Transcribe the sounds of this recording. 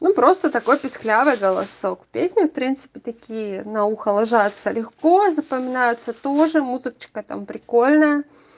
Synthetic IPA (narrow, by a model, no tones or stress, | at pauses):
nupɾo̞st̪ət̪ɐko̞jpʲɪsʲklʲavɨjɡəlˠɐ̰so̞kpʲesʲnʲɪfpɾʲint̪sɨ̥pʲɪt̪ɐkʲijənɐuxəlˠɐʐat̪səlʲɪxko̞zəpəmʲɪnajʊt̪sət̪oʐɨmuzɨkt͡ɕɪ̥kət̪a̰mpɾʲɪkolʲnəjə